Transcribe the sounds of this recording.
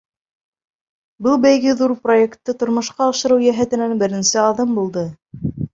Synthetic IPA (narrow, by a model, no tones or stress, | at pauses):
bɤlˠbæjɡɘðuɾproekt̪ːɤt̪ŏɾmŏʃqɑːʃɤ̆ɾɤwjæɦæt̪ɘ̆nænbɘ̆ɾɘ̆nsɘɑðɤmbulˠd̪ɤ